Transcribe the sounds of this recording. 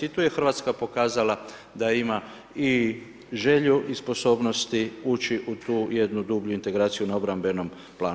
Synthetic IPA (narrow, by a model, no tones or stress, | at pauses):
it̪uːje̞xr̩ʋaːt̪skapo̞kaːzala | d̪aima | i | ʒe̞ʎuʔispo̞so̞ːbno̞st̪iut͡ʃiʔut̪uːje̞d̪nud̪ubʎuint̪e̞ɡɾaːt̪sijunao̞bɾambe̞no̞m | plaː